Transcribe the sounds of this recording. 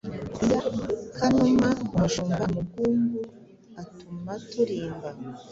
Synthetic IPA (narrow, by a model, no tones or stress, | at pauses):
ijabukʰanumamaʃuːmbamuɡuːmbu | atumatuɾiːmba